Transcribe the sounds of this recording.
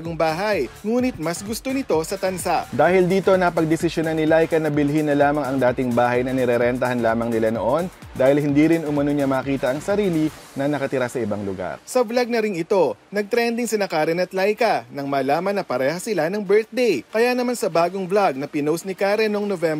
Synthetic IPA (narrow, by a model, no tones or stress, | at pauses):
ɡoŋbaːɦɐjŋuːnɪt̪̚mɐsɡʊst̪o̞nɪt̪o̞sɐt̪ɐnsaʔd̪aːhɪld̪iːt̪o̞nɐpɐɡ̚d̪ɛsɪsjonanɪlajkɐnɐbɪlɦinːɐlaːmɐŋɐŋd̪aːt̪ɪŋbaːɦɐjnɐnɛɾɛɾɛnt̪ɐhɐnlaːmɐŋnɪlano̰ʔo̞n | d̪aːhɪlhɪnd̪iɾɪnʔʊmɐnoɲamɐːkiːt̪ɐʔɐŋsɐɾiːli | nɐnɐkɐt̪ɪɾasɐʔɪbaŋlʊɡa̰ɾsɐvlaɡ̚nɐɾɪŋɪt̪o̞nɐɡ̚t̪ɾɛnd̪ɪŋsɐnɐkaɾɛnɐt̪lajkɐnɐŋmɐːlaːmɐnɐpɐɾɛːhɐsɪlanɐŋbɛɹt̪̚d̪ejkɐjanɐmansɐbaːɡoŋvlaɡ̚nɐpɪnowsnɪkaːɾɛnoŋnovɛmb